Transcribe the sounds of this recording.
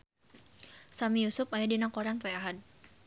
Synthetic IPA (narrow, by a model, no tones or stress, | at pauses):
samijusʊpajadinakɔɾanpɛaɦad̚